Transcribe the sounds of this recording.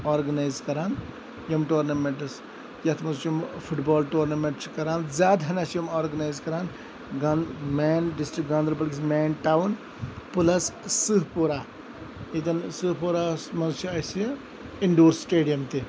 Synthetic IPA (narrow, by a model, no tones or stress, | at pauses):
aːɾɡɐnaːjzkɐɾaːn | jɐmʈoːɾnɐmeɳʈɐs | jɐt̪ʰmɐnzt͡ʃʰjumpʰuʈboːlʈoːɾnɐmeɳʈskɐɾaːnzʲjaːd̪ʱɐnɐsɐmaːɾɡɐnaːjzkɐɾaːn | ɡameːnɖisʈɾikɡãːnd̪ɾɐpɐliksmeːnʈaːwn | pulɐsːɨɦpuɾaː | it̪ɐnsɨɦpuɾaːsmɐnzt͡ʃʰiɐs | iɳɖoːɾsːʈeːɖijɐmt̪i